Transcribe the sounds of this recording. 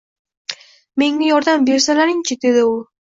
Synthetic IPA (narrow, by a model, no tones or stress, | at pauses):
me̞ŋajɒɾd̪ambe̞ɾsalaɾɪŋt͡ʃʰɪd̪e̞d̪ɪʊ